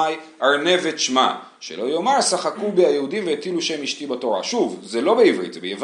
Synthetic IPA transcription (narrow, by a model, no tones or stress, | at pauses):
j | ʔaʁne̞veʃma̰ | ʃelo̞jo̞maʁsaχakubeajeud̪imveet̪iluʃemiʃt̪ibato̞ʁa̰ʃuvzelo̞beivʁḭt̪zebejev